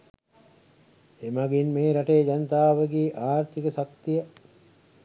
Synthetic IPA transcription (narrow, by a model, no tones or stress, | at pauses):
emaɡinmeːɾaʈeːd͡ʒanət̪aːʋəɡeːʔaːɾt̪ʰikəsak̚t̪ijə